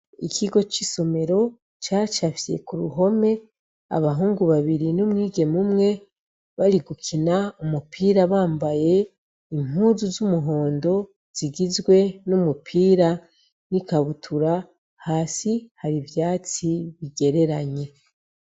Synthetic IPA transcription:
ḭkʰiɡo̞t͡ʃiso̞me̞ɾo̞ | t͡ʃaːt͡ʃafije̞̰kuɾuɦo̞me̞ | a̰βaɦuːŋɡuβaβiɾinumŋiːɡe̞mumŋe̞ | βaɾiɡukʰinaumupʰiːɾaβaːmbaje̞ | im̥uzuzumuɦo̞ːndo̞ | z̥iɡizɡwe̞numupʰiːɾa | nikaβutʰuɾa | haːsihaɾivjaːt͡siβiɡe̞ɾeɾaɲe̞

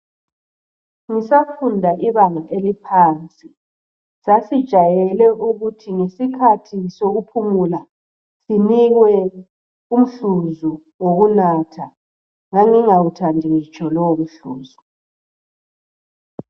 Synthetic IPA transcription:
ŋisafundʱaʔiβanaʔelipʰaːnt͡sʼi | sasid̥ʒ̥ʱajɛlɛʔuɣutʰiŋesikʰatʰisoɣupʰumula | siniɣwɛ | um̩ɬuzu | woɣunatʰa | ŋaŋiŋawutʰandʱiɣit͡ʃʰʼɔlɔwom̩ɬṵːzu

